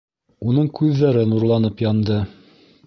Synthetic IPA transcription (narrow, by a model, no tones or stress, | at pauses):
unɤɴkʉðːæɾɘnuɾlˠɑnɤpjɑnd̪ɤ